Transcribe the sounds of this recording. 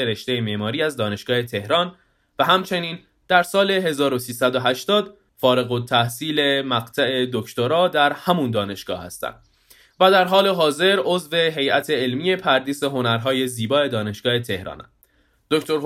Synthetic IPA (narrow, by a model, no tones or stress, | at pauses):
eɾe̞ʃt̪e̞jemeʔmɒːɾiːæzd̪ɒːne̞ʃɡ̥ɒːhe̞t̪ʰe̞hɾɒːn | væɦæmt͡ʃʰe̞niːn | d̪̥æɾsɒːle̞ɦe̞zɒːɾosiːsæd̪oɦæʃt̪ɒːd̪ | fɒːɾe̞ɣo̞t̪ʰːæhsiːle̞mæɣt̪ʰæe̞d̪ocʰt̪oɾɒːd̪æɾhæmund̪ɒːne̞ʃɡ̥ɒ̰ːhæ̰st̪æ̰nd̪̥ | væd̪æɾɦɒːle̞ɦɒːze̞ɾʔo̞zve̞ɦe̞jæt̪ʰe̞ːlmiːje̞pʰæɾd̪iːse̞ɦo̞næɾɦɒːje̞ziːbɒːe̞d̪ɒːne̞ʃɡ̥ɒːhe̞t̪ʰe̞hɾɒ̰ːnæ̰n | d̪oct̪ʰo̞ɾɦ